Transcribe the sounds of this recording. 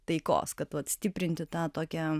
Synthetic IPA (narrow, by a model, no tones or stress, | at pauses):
t̪ɐɪko̰ːskɐt̪ʋɐt̪sʲt̪ʲɪpʲɾʲɪnʲt̪ʲɪt̪ɑːt̪oːkʲɛ